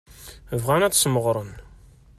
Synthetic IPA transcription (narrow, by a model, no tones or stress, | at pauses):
əvʁænæt͡sːsməʁɾˤən